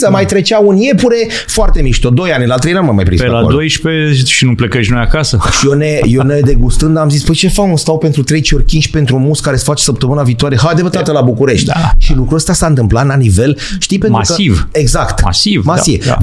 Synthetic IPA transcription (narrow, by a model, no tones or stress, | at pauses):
səmajt̪ɾe̞t͡ʃaunje̞puɾe̞ | foart̪e̞miʃt̪od̪o̞janʲlat̪ɾejnanumamajpɾimspealaold̪ojʃpeet͡ʃʃinuplekeʃnojakasəʃionejoned̪eɡust̪ɨnd̪amzispəjt͡ʃe̞faunst̪awpe̞nt̪ɾut̪ɾet͡ʃio̞rʲkʲinʃʲpe̞nt̪ɾumuskaɾesfat͡ʃe̥səp̚t̪əmɨnaviːt̪oaɾejeɦajd̪epət̪at̪əlabukuɾe̞ʃt̪ʲʃilukɾuəst̪asaɨnt̪ɨmplat̪lanive̞lʃt̪ijpenaɾsukəiveɡzakt̪ma̰sivmasiḛ